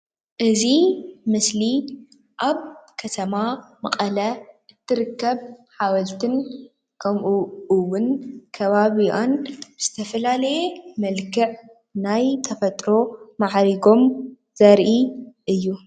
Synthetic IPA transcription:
ʔɨzimɨsli | ʔaβkʰɐt̪ʰɐmamɐqʼɐlɐʔɨt̪ʰːɨɾɨkːɐβħawɐlt̪ʰɨn | kʰɐmʔuʔɨwːʊnkʰɐβaβianbɨz̥ɨt̪ʰɐfɐlalɐjemɐlkʰɨʕ | najt̪ʰɐfɐt̪ʼɾo̞maʕɾiɡo̞m | z̥ɐɾʔiʔɨjːu

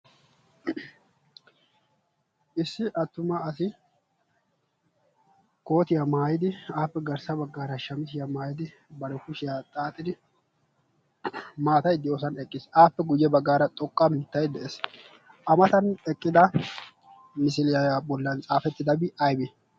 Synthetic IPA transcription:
ʔɪsːɪʔɐt̪ːʊmɐɐsɪ | ko̞ːt̪ɪjɐmaːjɪd̪ɪaːpːɛɡɐɾsɐbɐɡːaːɾɐʃɐmɪs̬ɪjɐmaːjɪd̪ɪ | bɐɾɛkʊʃɪjat̪ʼaːt̪ʼːɪd̪ɪ | maːt̪ɐjd̪ɪjo̞ːsɐnɛkʼːɪsaːpːɛɡʊjːɛbɐɡːaːɾɐt̪ʼɔkʼːɐmɪt̪ːɐjd̪ɛʔeːs | ʔɐmɐt̪ɐnɛkʼːɪd̪ɐ | mɪsɪlɪjɐjabɔlːɐnt͡sʼaːfɛt̪ːɪd̪ɐbɪɐjbɪ

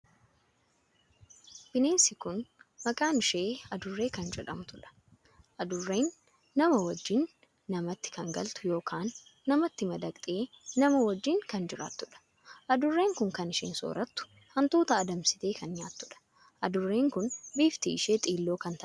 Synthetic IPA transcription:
b̥ɪneːnsɪkʊnmɐkʼaːnɪʃe̞ːɐd̪ʊrːe̞ːkɐnd͡ʒɛᶑɐmt̪ʊᶑɐ̥ | ʔɐd̪ʊrːe̞ːnː | ɐmɐwɐd͡ʒːɪnː | ɐmɐt̪ːɪ̥kɐŋɡɐ̰lt̪ʊ̥jo̞ːkʰaːnːɐmɐt̪ːɪmɐd̪ɐkʼt̪ʼeː | nɐmɐwɐd͡ʒːɪŋkɐnd͡ʒɪɾa̰ːt̪ːʊᶑɐ̥ | ʔɐd̪ʊrːe̞ːŋkʊŋkɐnɪʃɪ̰ːnso̰ːɾʔɐt̪ːʊ̥ | hɐnt̪uːt̪ɐːd̪ɐmsɪt̪e̞ːkɐnɲaːt̪ːʊᶑɐ̥ | ʔɐd̪ʊrːe̞ːŋkʊnbiːft̪iːʃeːt̪ʼiːlːo̞ːkɐnt̪ʰɐʔ

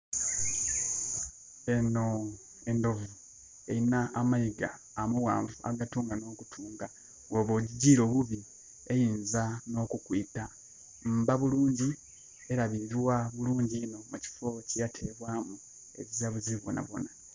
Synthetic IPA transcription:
e̞no̞ | e̞ndo̞vu | ejinaːmajiɡa̰ː | muwa̰ːɱvua̰ɡatuːŋɡano̞ːkutʰuːŋɡa | ɡoβo̞ːɟiɟiːɾo̞ːβuβi | e̞jiːnzano̞ːkukwiːta | m̩ːbaβuluːɲɟi | e̞ɾaβiziwaβuluːɲɟino̞muci̥fo̞cijatʰeβwaːmu | e̞̰βizaβuziβo̰na̰βo̞̰na

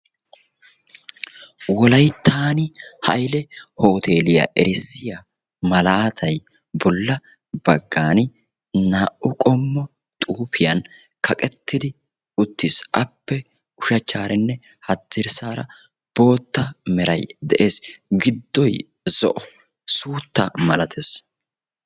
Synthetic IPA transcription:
wɔlɐjt̪ʰːaːnɪhɐ̰jlɛho̞ːt̪ʰe̞ːlɪja̰ʔɛɾɪsːɪja | mɐlaːt̪ʰɐj | bɔlːɐ | b̥ɐɡːaːnɪ | naːʔʊkʼɔmːɔ | t̪ʼuːpɪjɐn | kʰɐkʼɛt̪ːɪd̪ɪ | ʊt̪ːɪsʔɐpːɛ | ʊʃɐt͡ʃːaːɾɛnːɛ | hɐt̪ːɪɾsaːɾɐ | b̥o̞ːt̪ːɐmɛɾɐjd̪ɛʔe̞ːsɡɪd̪ːɔj | zɔʔɔ | suːt̪ːɐmɐlɐt̪ʰes

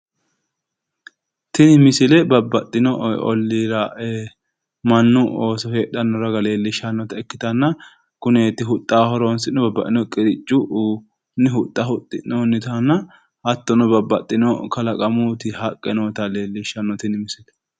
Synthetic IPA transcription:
t̪ɪnɪmɪsɪlɛbɐbːɐt̪ʼːɪnɔɔ̰lːiːɾɐ | mɐnːʊoːsɔheːᶑɐnːɔɾɐɡɐle̞ːlːɪʃːɐnːɔt̪ɐɛkːɪt̪ɐnːɐ | kʊneːt̪ːɪɦʊt̪ʼːaːhɔɾonsɪnɔbɐbːɐ̰ʔ̪ːɪnɔkʼɪɾɪt͡ʃʼːʊʔ | nɪɦʊt̪ʼːɐhʊt̪ʼːɪ̰nonːɪt̪ɐnːɐ | ʔɐt̪ːɔnɔbɐbːɐt̪ʼːɪnɔkɐlɐkʼɐmut̪ɪhɐkʼːɛnoːt̪ɐle̞ːlːɪʃːɐnːɔt̪ɪnɪmɪsɪlɛ̥

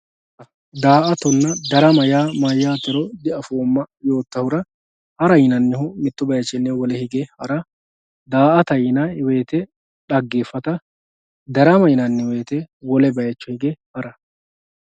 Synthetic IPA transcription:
ɐ | d̪aːʔɐt̪ɔnːɐd̪ɐɾɐmɐjaːmɐjːaːt̪ɛɾɔd̪ɛɐfoːmːɐjo̞ːt̪ːɐhʊɾɐ | hɐɾɐjɪnɐnːɪhʊmɪt̪ːʊbɐjɐt͡ʃːɛnːɛwɔlɛhɪɡɛhɐɾɐ | d̪aːʔɐt̪ɐjɪnɐwe̞ːt̪ɛ | ᶑɐɡːefːɐt̪ɐ | d̪ɐɾɐmɐjɪnɐnːɪwe̞ːt̪ɛwɔlɛbɐjɐt͡ʃːɔhɪɡɛhɐɾɐ

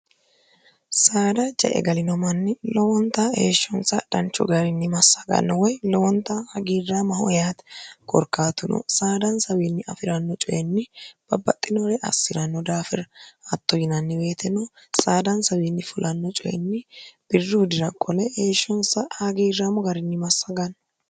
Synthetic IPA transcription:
saːd̪ɐd͡ʒɐ̰ʔɛ̰ɡɐlɪnɔmɐnːɪlɔwɔnt̪ːɐeːʃːɔnsɐdɐnt͡ʃːɔ̰ɡɐɾɪnːɪmɐsːɐɡɐ̰nːɔwɔjlɔwɔnt̪ːɐhɐɡiːrːaːmɐhɔjaːt̪kʼɔ̰ɾkːaːt̪ʊnɔ̰saːd̪ɐnsɐwiːnːɪɐfɪɾɐnːɔt͡ʃʼɔjɛnːɪb̥ɐbːɐt̪ʼːɪnɔɾɛʔɐ̰sːɪɾɐnːɔd̪aːfɪɾɐt̪ːɔjɪnɐnːɪbe̞ːt̪ʰɛnɔsaːd̪ɐnsɐwiːnːɪfʊlʔɐnːɔt͡ʃʼɔjɛ̰nːɪb̥ɪrːɪhʊd̪ɪɾɐkʼːɔlɛheːʃːɔnsɐhɐɡiːrːaːmɔɡɐɾɪnːɪmɐsːɐɡɐnː

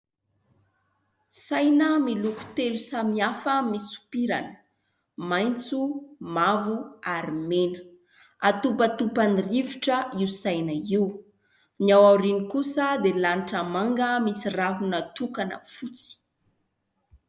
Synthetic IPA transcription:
sajnəmiluku̥t̪elusamiafəmisu̥piɾa̰nə̥ | majnt͡sumavuaɾimenə̥ | at̪upət̪upaniriviʈ͡ʂəiusajnəiw | niawaɾinikusəd̪elaniʈ͡ʂamaŋɡəmisiraɦunat̪ukanə̰fut͡si̥

